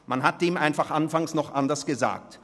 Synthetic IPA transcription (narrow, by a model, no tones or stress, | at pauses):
manɦat̚d̥eːmʔaɪnfaχʔanfaŋsnɔχʔandɐsɡ̥əza̰ːk̚t